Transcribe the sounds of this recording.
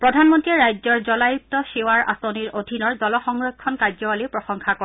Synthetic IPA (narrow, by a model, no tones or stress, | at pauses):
pɹɔdʱanmɔntɹiɛɹajzɔɹzɔlajut̚tːɔsewaɹʔa̰soniɹodʱinɔɹdɔlɔxɔŋɹɔkʰːɔnkaɹzɔwalipɹɔxɔŋkʰakɔ